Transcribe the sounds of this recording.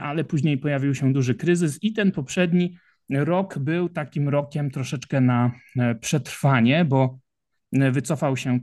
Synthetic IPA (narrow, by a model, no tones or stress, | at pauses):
ʔalɛpuʑɲejpɔjavʲiwɕɛd̪uʐɘkɾɘzɘsit̪ɛnpɔpʂɛd̪ɲi | ɾɔɡbɘwt̪akʲimɾɔkʲɛmt̪ɾɔʂɛt͡ʂkɛnapʂɛt̪ɾfaɲɛbɔ | vɘt̪sɔfawɕɛ